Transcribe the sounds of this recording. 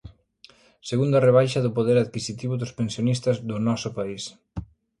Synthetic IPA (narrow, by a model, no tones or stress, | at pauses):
seɣund̪ɐreβ̞ajʃɐðʊpoðeɾaðkisit̪iβʊðʊspensjonist̪ɐzðʊnɔsʊpais